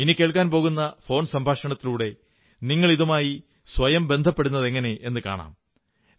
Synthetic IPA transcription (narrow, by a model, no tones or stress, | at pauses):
inikʲe̞ːɭkːaːnp̬oːɣunːɐfo̞ːnsɐmbʱaːʂɐɳɐt̪ːiluːɽe̞ | niŋːɐɭiðumaːji | sʋɐjɐmbe̞nd̪ʱɐpːe̞ɽunːɐðe̞ŋːɐne̞ʔenːɨka̰ːɳa̰ːm